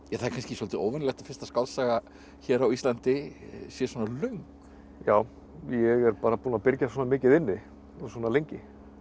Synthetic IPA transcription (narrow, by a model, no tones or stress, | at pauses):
jɛθaɛɾkʰanscɪsolt̪ɪo̰ːwvɪnlɛxt̪afɪ̥st̪askawlsaɣa | çɛɾawist̪lant̪ɪsjɛsɔːnalœŋk | jaːw | jɛɣɛɾpaːɾapuːnapɪɾcasɔːnamɪːcɪðɪnːɪ | ɔsɔːnalejɲcɪ